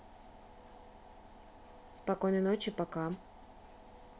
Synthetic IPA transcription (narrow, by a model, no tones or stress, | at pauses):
spɐkojnəjnot͡ɕɪpɐka